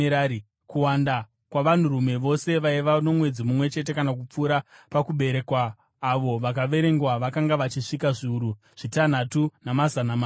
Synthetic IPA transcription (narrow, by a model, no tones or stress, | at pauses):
ɾai | kuwanda | kwaʋan̤urume̞ʋo̞se̞ʋaiʋano̞mwe̞d͡zimumwe̞t͡ʃe̞t̬e̞kanak̬up͡fuːɾapakuɓe̞ɾe̞kwaː | ʋo̞ʋakaʋe̞ɾe̞ŋɡwaʋakaŋɡaʋat͡ʃiʂikaʐiuɾu | ʐ̥itan̤atunamazanama